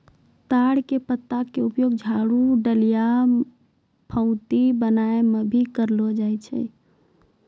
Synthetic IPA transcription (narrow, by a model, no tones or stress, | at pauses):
t̪aɽkepət̪ːakeʊpjoːɡ̚d͡ʒʱaɽuɖəlija | pʰə̃ʊ̃t̪ibənaemebʱikəɾlod͡ʒaːjt͡ʃʰɛ̰